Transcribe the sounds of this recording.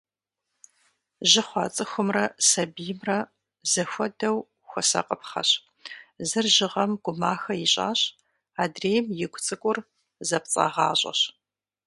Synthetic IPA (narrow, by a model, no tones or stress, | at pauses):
ʒɪχʷɑːt͡sʼɨxʷʊmrɐsɐbijɪmrɐ | zɐxʷɔdɐw | xʷɔsɐ̰qʼəpχɐ̰ɕ | zɨrʒɪʁɐmɡ̥ʷʊmaːxɐjɪɕʼa̰ːɕ | aːdreːjmjɪɡʷʼʊt͡sʼɨkʷʼʊr | zɐp̚t͡sʼɐ̰ʁɑːɕʼɐ̰ɕ